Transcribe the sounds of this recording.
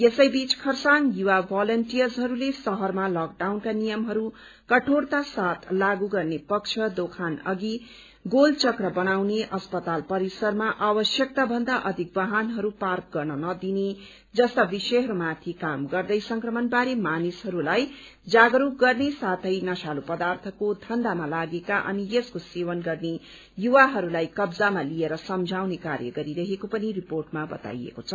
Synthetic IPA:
esʌjbit͡skʰʌrsanjuwabʱalʌnʈijʌrzɦʌɾulesʌɦʌrmalak̚ɖawnkanijʌmɦʌɾu | kʌʈʰort̪asat̪ʰlaɡuɡʌrnepʌk̚t͡ʃʰʌd̪okʰanʌ̰ɡi | ɡolt͡sʌkrʌbʌnawneʔʌspʌt̪alpʌɾisʌrmaʔabʌsjʌk̚t̪abʱʌnd̪aʔʌd̪ʱik̚bʌɦanɦʌɾupark̚ɡʌrnʌnʌd̪ine | d͡zʌst̪abisʌjɦʌɾumat̪ʰikamɡʌrd̪ʌjsʌŋkrʌmʌnbaɾemanisɦʌɾulaj | d͡zaɡɾuɡʌrnesat̪ʰʌjnʌsalupʌd̪art̪ʰʌkod̪ʱʌnd̪amalaɡekaʔʌ̰nijeskosewʌnɡʌrne | juwaɦʌɾulajkʌbd͡zamalieɾʌsʌmd͡zʱawnekarjʌ̰ɡʌɾiɾʌɦekopʌniriporʈmabʌ̰t̪a̰jḛkot͡sʰʌ

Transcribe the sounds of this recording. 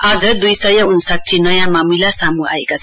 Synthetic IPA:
ʌd͡zʌd̪ujsʌjʌunsak̚t͡ʃʰinʌjãmamilasamua̰ekat͡sʰ

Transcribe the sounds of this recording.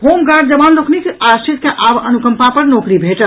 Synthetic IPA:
hoːmɡaːɾɖ̚d͡ʒəbaːnloːknikeʔaːst͡ʃʰɪt̪̚kaʔaːbɐnukəmpapɐɾnɔːkɾibʱeːʈəl

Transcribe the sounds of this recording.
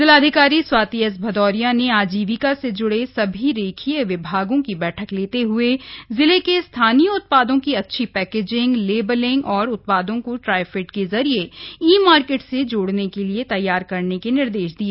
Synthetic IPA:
zɪlaːd̪ʱɪkaːɾiswaːt̪iəs̬bʱɐd̪ɔːɾijaneaːd͡ʒiːʋikased͡ʒʊɽesɐbʱiɾeːkʰieʋɪbʱaːɡõkibɛːʈʰəkleːt̪eɦʊezɪlekest̪ʰaːnijəʊt̪̚paːd̪õkiɐtːʃʰipɛːkeːd͡ʒɪ̃ŋɡleːbəlɪ̃ŋɡɔːɾʊt̪̚paːd̪õkoʈɾaːɪfɪʈkezɐɾieiːmaːɾkeːʈsed͡ʒoːɽnekeliet̪ɐjːaːɾkɐɾnekenɪɾd̪eːʃd̪ieː

